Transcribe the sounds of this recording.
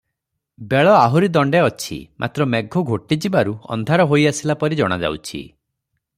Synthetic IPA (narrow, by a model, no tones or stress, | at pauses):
beɭɔaɦuɾid̪ɔɳɖeɔt͡ʃʰḭmʔa̰t̪ɾɔmeɡʱɔɡʱoʈid͡ʒibaɾuɔ̰nd̪ʱaɾɔɦojasilapɔɾid͡ʒɔɽ̃ad͡ʒa̰wt͡ʃʰḭ